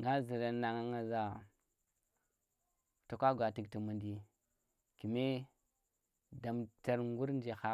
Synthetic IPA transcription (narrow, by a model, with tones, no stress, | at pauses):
ŋɡa˦zi˨ɾa˦na˨ŋa˦ŋa˨za˨ | ta˨kʷa˦ɡʷa˨ti˨ɡti˨mu˨ndi˨ | ki˨me˦ | da˨mta˦ɾŋɡu˦ɾn˦d͡ʒe˨xa˦